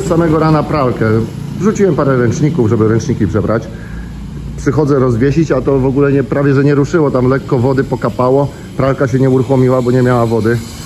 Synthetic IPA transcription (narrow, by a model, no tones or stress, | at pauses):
ssamɛɡɔɾanapɾalkɛ | vʐut͡ɕiwɛmpaɾɛɾɛnt͡ʂɲikuvʐɛbɘɾɛnt͡ʂɲikʲipʂɛbɾat͡ɕ | pʂɘxɔd̪zɛɾɔzvʲjɛɕit͡ɕat̪ɔvɔɡulɛɲɛpɾavʲjɛʐɛɲɛɾuʂɘwɔt̪amlɛkːɔvɔd̪ɘpɔkapawɔ | pɾalkaɕɛɲɛuɾuxɔmʲiwabɔɲɛmʲjawavɔd̪ɘ